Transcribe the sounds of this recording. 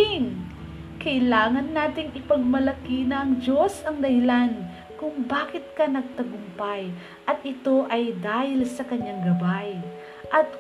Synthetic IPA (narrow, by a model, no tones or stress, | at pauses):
ŋ | kɐɪlaːŋɐnːaːt̪ɪŋɪpɐɡ̚mɐlɐkinɐʔɐŋd͡ʒo̞sɐŋd̪ɐhɪlan | kʊŋbaːkɪt̪̚kɐnɐɡ̚t̪ɐɡʊmpaj | ʔɐt̪ɪt̪o̞ʔɐjd̪aːhɪlsɐkɐɲːaŋɡɐbaj | ʔɐt̪̚